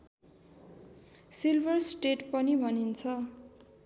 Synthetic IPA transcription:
silbʱʌrsʈeʈpʌnibʱʌnint͡sʰʌ

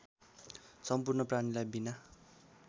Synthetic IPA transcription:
sʌmpurnʌpranilajbina

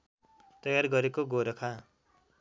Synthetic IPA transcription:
t̪ʌjarɡʌɾekoɡoɾʌkʰa

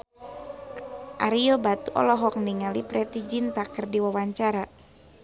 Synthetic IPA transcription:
ʔaɾiɔbat̪uʔɔ̰lɔɦɔk̚niŋalipɾɛt̪id͡ʒint̪akɨrdiwawaɲt͡ʃaɾa

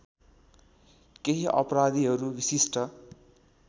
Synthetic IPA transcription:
keɦiʔʌ̰pɾad̪iɦʌɾubisisʈʌ

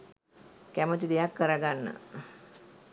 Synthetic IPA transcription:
kæmət̪id̪ejakːəɾəɡanːə̰

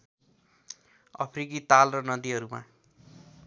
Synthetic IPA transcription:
ʌ̰pʰrikit̪alrʌnʌd̪iɦʌɾuma̰

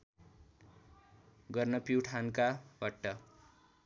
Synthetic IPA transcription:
ɡʌrnʌpiwʈʰankabʌʈːʌ

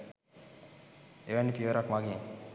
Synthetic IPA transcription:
eʋænːipiʋəɾakmaɡiŋ

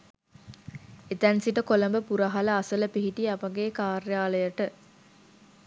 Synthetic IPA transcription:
et̪ænsiʈəkoləmbəpuɾɐɦɐlɐɐsələpiɦiʈiɐpɐɡeːkaːɾjaːləjəʈə

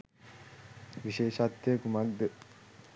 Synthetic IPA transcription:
ʋiʃeːʃat̪ːeːkumɐɡd̪e

